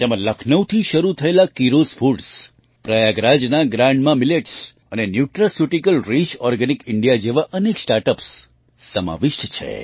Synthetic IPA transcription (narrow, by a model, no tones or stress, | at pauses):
t̪emãləkʰnəʋt̪ʰiʃəɾut̪ʰəelakiɾosfʰuɖs | pɾəjaɡɾad͡ʒnaɡɾãɳɖmãmileʈs | ənenjuʈɾasjuʈikəlɾit͡ʃɔɾɡənikɪɳɖijad͡ʒeʋaʔəneksʈaɾʈəpsː | əma̰ʋɪʃʈt͡ʃʰḛ